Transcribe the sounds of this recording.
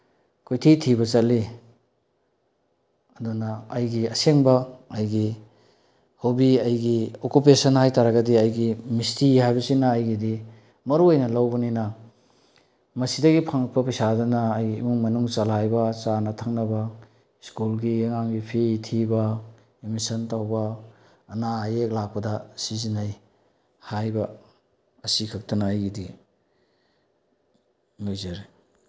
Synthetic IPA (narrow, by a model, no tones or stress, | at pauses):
kʰujtʰitʰibɐt͡ʃɐlːi | ɐdunɐːjɡiɐseŋbɐɐjɡi | hobiɐjɡiokup̬esɐnhajtaɾɐɡɐdiɐjɡimistihajbɐsinɐːjɡidi | mɐɾuojnɐlawbɐninɐ | mɐsidɐɡipʰaŋ̚pɐpɐjsadɐnɐːjɡimuŋmɐnuŋt͡ʃalajbɐt͡ʃanɐtʰaŋnɐbɐ | skulɡiɐŋaŋɡipʰetʰibɐ | emisɐntawbɐː | najek̚lak̚pɐdɐsizinaj | hajbɐ | ɐsikʰɐk̚tɐnaːjɡidi | muzɐɾi